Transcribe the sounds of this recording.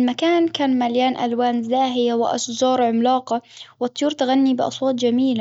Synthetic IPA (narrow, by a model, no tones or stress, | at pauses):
lmakaːnkaːnmaljaːnʔa̰lwaːnzaːɦɪjawɪʔɑ̰ʃd͡ʒɑːɾˤʕʊmlɑːqɑwɨt̪ˤːʊjuːɾt̪aɣanːibɪʔɑ̰sˤwɑːt̪ˤd͡ʒamiːla